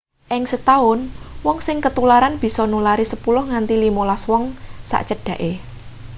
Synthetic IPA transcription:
ʔɪŋsət̪aʊnwɔŋsɪŋkət̪ulaɾanb̥i̤sɔnulaɾisəpulʊhŋant̪ilimolaswɔŋsa̰ʔt͡ʃəɖ̥ä̤ʔe

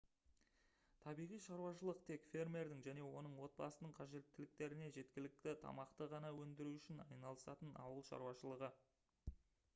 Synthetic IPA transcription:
t̪ʰɑbijʁijʃɑɾuwɑʃəlˠəqt̪ʰe̞kfʲe̞rme̞ɾd̪ɪŋʒæne̞wo̞nəɴwo̞t̪̚bɑsənəɴqʰɑʒe̞t̪ːɪlɪkt̪e̞ɾɪne̞ʒe̞t̪kʲɪlɪk̚t̪ɪt̪ʰɑ̰mɑqt̪əʁɑnɑwɵnd̪ɪɾuʏʃɪnɑ̰jnɑlˠəsɑt̪ənɑ̰wəlˠʃɑ̰ɾuwɑʃəlˠəʁə

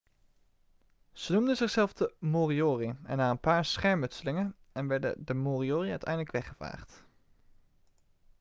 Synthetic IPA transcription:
z̥ənumdənzɪχz̥ɛlˠvdəmoːrioːriɛ̰nːaːənpaːɹsχɛɹmɵtsəlɪŋən | ɛnʋɛɹdə̰dəmoːrioːriœɥtɛ̰jndələkʋɛχəva̰ːχt

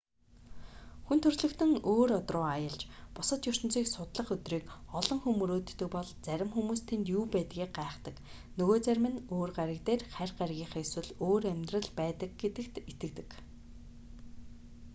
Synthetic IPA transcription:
xunt̪ʰɵrɮɵ̆kt̪ɵ̆ŋoːɾɔt̪rʊːajə̆ɮt͡ɕpʊsə̆t̪jɵr̥t̪ɵ̆nt͡siːksʊt̪ɮə̆χɵt̪riːkɔɮɞ̆ŋxumːɵɾoːt̪ːɵ̆k̚pɔɮt͡sæɾʲɪ̆mxumuːst̪ʰent̪juːpæːt̪ɡʲiːk̚ɢaːχt̪ə̆k | nɵɣoːt͡sæɾʲmɘ̆noːrɢaɾʲə̆k̚t̪eːrχærʲɢaɾɣʲiːɴχeswɘ̆ɮoːɾæmʲt̪rə̆ɮpæːt̪ə̆k̚ɡet̪ɘ̆kt̪et̪ɘ̆k̚t̪ɘ̆k

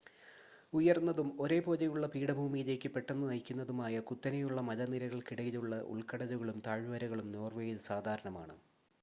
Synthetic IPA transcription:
ujɐrnːɐðumo̞ɾe̞ːpo̞ːðɐjuɭːɐpiːɽɐbʱuːmijile̞ːkʲːɨpːe̞ʈːenːɨnɐjkʲːunːɐðumaːjɐkut̪ːɐnɐjuɭːɐmɐðɐniɾɐɣɐɭkiɽɐjiluɭːɐʔṵɭkɐɽɐðuɣɐɭumt̪aːɻʋɐɾɐɣɐɭumnoːrʋeːjiðɨsaːd̪ʱaːɾɐɳɐmaːɳɨ̰

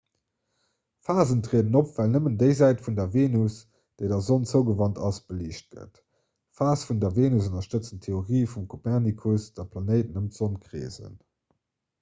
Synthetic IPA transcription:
faːzəntʁeːədənopv̥ælnəməndəɪzæɪtfundɐveːnus | d̥əɪdɐzont͡səʊɡəvɑntɑsb̥əliːɕt̚ɡ̥ə̰t | faːsfundɐveːnusənɐʃtət͡səntʰeoʁiːfumkʰopɛʁnikʰusd̥ɐpʰlɑnəɪtənəmz̥onkʀḛːzə̰n

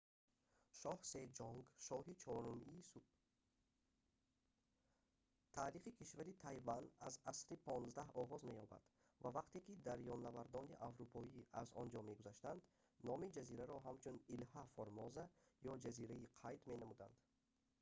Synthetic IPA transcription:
ʃɔhsed͡ʒɔŋɡʃɔɦit͡ʃʰɔɾumiːsub̥̚ | t̪ʰaːɾiχikʰiʃvaɾit̪ʰajvanazasɾipʰɔnzd̪ahɔʁɔzme̞jɔba̰d̪̥ | vavaqt̪ekid̪aɾjɔnːavaɾd̪ɔniʔavɾupʰɔiazɔ̰nd͡ʒɔme̞ɡuzaʃt̪and̪ | nɔmid͡ʒaziɾaɾɔɦamt͡ʃʰunilhafɔɾmɔzajɔd͡ʒaziɾaiqʰajd̪me̞namud̪a̰nd̪̥

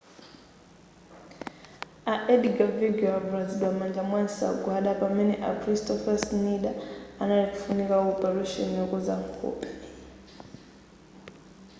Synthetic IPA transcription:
aʔɛɗiɡaviɡɛavuɾad͡ziɗwamand͡ʒamwanisa̰ɡwaɗapamɛniʔakʰɾistʰɔfasniɗaanaɾikufunikaɔpɛɾuʃɔ̰nijɔkuza̰ŋkʰɔ̰ːpʼi̥

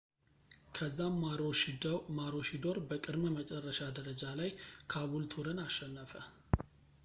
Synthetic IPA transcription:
kʰəzːamaɾoʃid̪maɾo̞ʃid̪o̞ɾbəkʼɨd̪məmət͡ʃʼɛrːəʃad̪əɾəd͡ʒalajkʰaβult̪ʰuɾɨnaʃːɛnːəfə

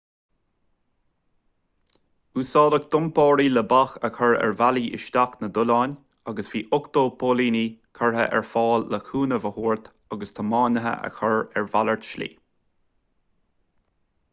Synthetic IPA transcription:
usɑːd̪ək̚d̪ʊmpɑːɾiləbaxəkʰəɹɛ̰ɹvaliːʔɪ̰ʃt̪aknəd̪ʊlɑːnʲ | aɡəsviːʔʊkt̪oːpʰoːliːnikʰəɹɦə̰ʔɛ̰ɹfɑːlːəkʰuːnəvəhuːɹt̪ | aɡəst̪ʰəmɑːnəɦə̰ʔə̰kʰəɹɛɹvaləɹt̪ʃlḭː

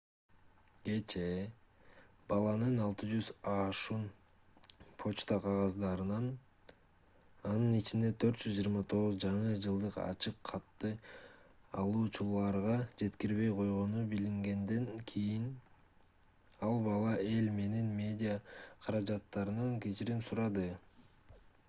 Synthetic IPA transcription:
ɡe̞t͡ʃe̞ | bɑlˠɑnɯnɑlˠt̪ɯd͡ʒyzɑʃun | pʰo̞t͡ʃt̪ɑqʰɑʁɑzd̪ɑɾɯnɑn | ɑnɯnit͡ʃind̪e̞t̪ʰøɾt̪̚d͡ʒyzd͡ʒiːɾmɑt̪ʰo̞ʁuzd͡ʒɑɴɯd͡ʒɯlˠd̪ɯqɑ̰t͡ʃɯqʰːɑt̪ːɯ | ɑ̰lˠuːt͡ʃulˠɑɾʁɑd͡ʒe̞t̪kiɾβe̞jqʰo̞jʁo̞nubiliŋɡe̞nd̪e̞ŋkʰijin | ɑlˠbɑlˠɑʔe̞lme̞ninmʲe̞d̪ʲijaqʰɑɾɑd͡ʒɑt̪ːɑɾɯnɑŋkʲet͡ʃiɾimsuɾɑd̪ɯ

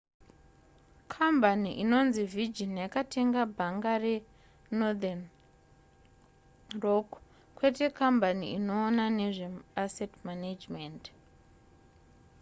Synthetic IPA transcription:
kʰambaniʔino̞nzivid͡ʒinjakatʰe̞ŋɡabʱaŋɡare̞ | nodan | rok | kwe̞te̞kambaniino̞ːnane̞ʐe̞asetmanad͡ʒment

